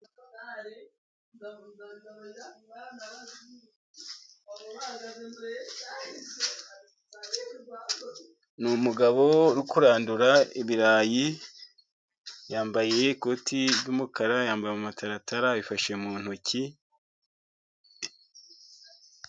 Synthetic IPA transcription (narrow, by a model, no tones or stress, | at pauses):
numuɡaβoɾukuɾaːnduɾaiβiɾaːji | jaːmbaje̞ko̞tʰiβɟuːmukaɾajaːmbajemumataɾataɾaβifaʃemuːn̥uci